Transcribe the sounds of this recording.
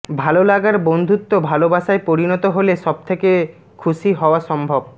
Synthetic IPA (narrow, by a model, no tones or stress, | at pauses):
bʱalolaɡaɾbond̪ʱut̪ːobʱalobaʃaepoɾinɔt̪oɦoleʃɔb̚t̪ʰeke | kʰuʃiɦɔoaʃɔmbʱob̚